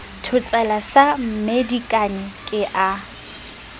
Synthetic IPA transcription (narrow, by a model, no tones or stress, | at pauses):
tʰʊt͡sʼɛlasam̩medikʼanɪkʼɪʔa